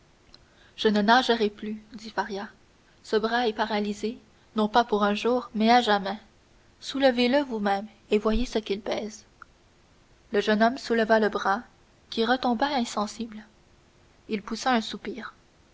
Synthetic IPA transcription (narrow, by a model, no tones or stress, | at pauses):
ʒ̥ənənaʒəʁɛplyd̪ifaʁja | səbʁaɛpaʁalize | nɔ̃papuʁɛ̃ʒuːʁmɛaʒamɛ̃ | suləveləvumɛ̃m | evwajesəkʲilpɛːz̥ | ləʒənɔmsuləvaləbʁa | kʲiʁət̪ɔ̃baɛ̃sɑ̃sibl | ilpusaɛ̃supiːʁ